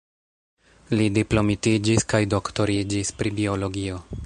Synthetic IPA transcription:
lidiplo̞mitid͡ʒiskajdo̞kto̞ɾid͡ʒispɾibio̞lo̞ɡio̞

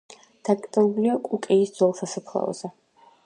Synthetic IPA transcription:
d̪̥akʼt̪ʼɛbliakʼukʼɛisd̪z̥wɛlˠsasapʰlˠa̰ɔ̰zɛ

